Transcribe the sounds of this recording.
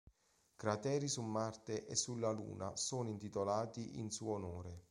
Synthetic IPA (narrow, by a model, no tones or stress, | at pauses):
kɾat̪ɛːɾisulmart̪eʔesːulːalṵːnasoːnoint̪it̪olaːt̪iʔḭnsuːonoːɾe